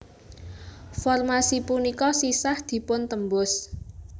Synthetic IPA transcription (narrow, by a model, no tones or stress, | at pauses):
fɔrmasipunikɔsisahd̪̥i̤pʊnt̪əmbʊs